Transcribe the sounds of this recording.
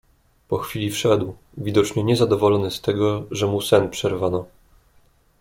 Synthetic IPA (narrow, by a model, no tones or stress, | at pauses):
pɔxfʲilʲifʂɛd̪w | vʲid̪ɔt͡ʂɲɛɲɛzad̪ɔvɔlɔnɘst̪ɛɡɔʐɛmusɛnpʂɛɾvanɔ